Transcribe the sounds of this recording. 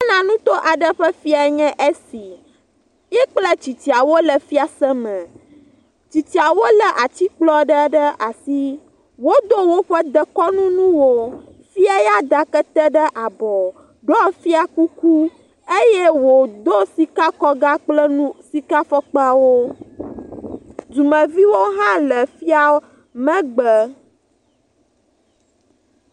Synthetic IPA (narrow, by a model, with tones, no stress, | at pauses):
a˦nã˨nũ˦t̪o˦ʔa˨ɖə˦ɸə˦fi˦a˨ɲɛ̃˦ʔe˦si˨ | jɛ˦k͡plə˦t͡ɕi˨t͡ɕi˨a˨wo˦lə˨fi˦a˨sɛ˦mɛ̃˨ | t͡ɕi˨t͡ɕi˨a˨wo˦lə˨ʔa˨t͡ɕi˦k͡plɔ˦ɖə˦ɖə˦a˨si˦ | wo˦d̪o˦wo˦ɸə˦d̪ə˦kɔ˦nũ˦nũ˦wo˦ | fi˦a˦ja˦d̪a˨kə˦t̪ə˦ɖə˦ʔa˨bɔ˨ | ɖɔ˦fi˦a˨ku˦ku˦ | e˦jɛ˦wo˨d̪o˦si˦ka˦kɔ˦ɡa˦k͡plə˦nũ˦si˦ka˦fɔ˦k͡pə˦a˨wo˦ | d͡ʒu˨mə̃˨vi˦wo˦ɦã˦lə˨fi˦a˨˦ | mə̃˦ɡ͡bə˨